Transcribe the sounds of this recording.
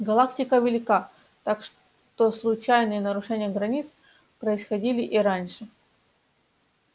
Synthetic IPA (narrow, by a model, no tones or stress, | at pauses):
ɡɐlˠak̚tʲɪkəvʲɪlʲɪka | t̪akʂ | t̪oslˠʊt͡ɕajnɨjənəɾʊʂɛnʲɪjəɡɾɐnʲit̪s | pɾəɪsxɐdʲilʲɪʔiɾanʲʂɨ